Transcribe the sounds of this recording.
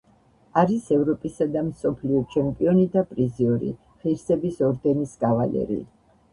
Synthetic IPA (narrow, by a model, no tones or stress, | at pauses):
aɾisɛvɾɔpʼisad̪amsɔpʰliɔt͡ʃʰɛmpʼiɔnid̪apʼɾiziɔɾḭ | χiɾsɛbisɔɾd̪ɛnisɡavalɛ̰ɾḭ